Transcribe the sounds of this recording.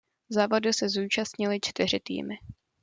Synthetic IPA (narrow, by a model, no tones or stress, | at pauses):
zaːvo̞dɪsɛzuːt͡ʃast̪ɲɪlɪt͡ʃt̪ɪr̝ɪt̪ḭːmɪ